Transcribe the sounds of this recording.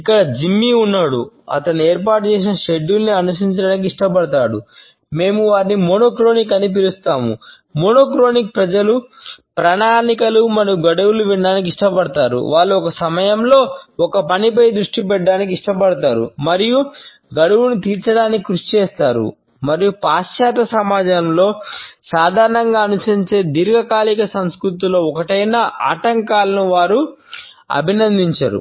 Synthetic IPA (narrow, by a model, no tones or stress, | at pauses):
ikːɐɽɐd͡ʒimːiunːaːɽṵ | ɐ̰t̪ɐnːieːɾp̬aːʈ̚t͡ʃeːs̬inɐʃeɖːulniɐnus̬iɲt͡ʃɐɽaːnik̬iʂʈɐpɐɽɐt̪aːɽṵ | me̞ːmuʋaːɾnimoːnoːkɾo̞ːnik̬ɐnip̬ilust̪aːmṵ | moːnoːkɾo̞ːnik̚pɾɐd͡ʒɐlupɾɐnaːnikɐlumɐɾijuɡɐɽɐwuluʋiɳɖaːnik̬iʂʈɐpɐɽɐt̪aːɾṵʋaːɭːuɔkɐsɐmɐjɐmlo̞ːɔkɐpɐnipɐjd̪ɾuʂʈipɛɖːaːnik̬iʂʈɐpɐɽɐt̪aːɾṵmɐɾiju | ɡɐɽɐwunut̪iːɾt͡ʃɐɽaːnikikɾuʂit͡ʃɛːst̪aːɾṵ | mɐɾijupaːʃjaːt̪ɐsɐmaːd͡ʒɐmlo̞ːsaːd̪ʱaːɾɐɳɐŋɡaːnusɐɲt͡ʃeːd̪iɾɡɐkaːlikɐsɐmskɾut̪̬ilo̞ːɔkɐʈɐjnɐʔa̰ːʈɐŋkaːlɐnuʋaːɾu | ɐ̰bʱinɐnd̪iɲt͡ʃa̰ːɾṵ